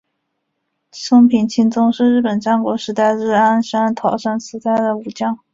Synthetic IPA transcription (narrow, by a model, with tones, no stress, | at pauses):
ʂɤ˥ŋpʰi˨˩nt͡ɕʰi˥nt͡sʊ˥ŋʂɻ̩˥˧ɻɻ̩˥˩pə˨˩nʈ͡ʂa˥nkwɔ˧˥ʂɻ̩˧˥t̪a˥˩ɪɻɻ̩˥˩a˥nʂa˥nt̪ʰɑ˨˧˩ʊʂa˥nt͡sʰɹ̩˧˥t̪a˥˩ɪd̪ə˩u˨˩t͡ɕjɑ˥ŋ